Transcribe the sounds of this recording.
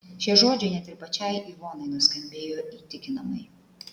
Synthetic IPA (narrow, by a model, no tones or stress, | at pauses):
ʃʲiɛʒoːd͡ʒʲɛɪnʲɛt̪ʲɪɾpɐt͡ʃʲɛɪiːʋoːnɐɪnʊsʲkɐmʲbʲeːjoːit̪ʲɪkʲɪnɐmɐɪ